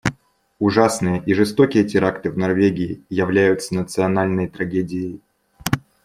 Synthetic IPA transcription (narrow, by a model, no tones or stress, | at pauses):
ʊʐasnɨjəʔiʐɨst̪o̞kʲɪjətʲɪɾakt̪ɨvnɐrvʲeɡʲɪɪjɪvlʲæjʊt̪sənət̪sɨɐnalʲnəjt̪ɾɐɡʲedʲɪjɪj